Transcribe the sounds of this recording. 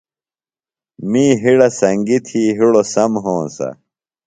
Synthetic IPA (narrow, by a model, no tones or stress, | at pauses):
miːɦiɽɐsɐŋɡit̪ʰiːɦiɽosɐmɦõːnsɐ̰